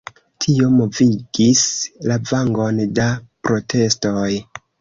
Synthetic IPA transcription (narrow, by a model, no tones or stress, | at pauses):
tʰio̞mo̞viɡislavaŋɡo̞ndapɾo̞tʰe̞sto̞j